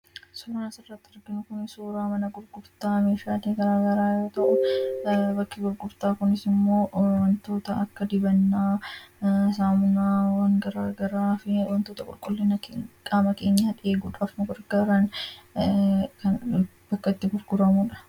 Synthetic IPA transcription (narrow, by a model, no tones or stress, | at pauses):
suːɾaːnsɪrːɐt̪ːɪɐɾɡɪnʊkʊnɪsuːɾaːmɐnɐɡʊɾɡʊɾt̪aːmeːʃaːt̪iːɡɐɾaːɡɐɾaːjo̞ːt̪ɐʔʊ | bɐkːɪɡʊɾɡʊɾt̪aːkʊnɪsɪmːo̞ːwɐnt̪o̞ːt̪ɐɐkːɐd̪ɪbɐnːaː | s̬aːmʊnaːwɐŋɡɐɾaːɡɐɾaːfɪwɐnt̪oːt̪ɐkʼʊlkʼɔlːɪnɐkʼaːmɐke̞ːɲːaːᶑe̞ːɡuːᶑaːfnɐɡʊɾɡɐɾan | kɐn | b̥ɐkːɐt̪ːɪɡʊɾɡ̥ʊɾɐmuːᶑɐ̥